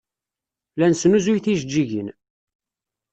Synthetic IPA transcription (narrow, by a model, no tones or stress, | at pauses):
lænsnuzujθiʒəd͡ʒːiʝin